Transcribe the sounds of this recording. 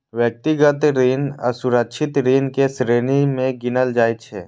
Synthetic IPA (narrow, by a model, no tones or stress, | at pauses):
ʋjək̚t̪iɡət̪ɾiːnə̰sʊɾəkʃʰɪt̪ɾiːnkesɾeːnimẽɡɪnəld͡ʒaːjt͡ʃʰeː